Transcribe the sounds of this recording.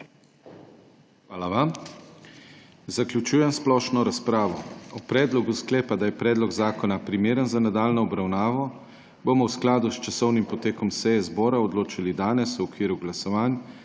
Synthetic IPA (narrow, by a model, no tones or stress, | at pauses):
xʋaːlaʋam | zaklʲjut͡ʃuːjɛmsplɔʃnɔɾaspɾaːʋɔɔpɾɛːd̪lɔɡusklɛːpad̪ajɛpɾɛːd̪lɔɡzaːkɔnapɾimeːɾənzanad̪aːlnɔɔbɾawnaːʋɔ | bomɔwsklaːd̪ust͡ʃasɔwnimpɔt̪eːkɔmsɛjɛzbɔːɾaɔd̪loːt͡ʃilid̪aːnɛswɔkʋiːɾuɡlasɔʋaːn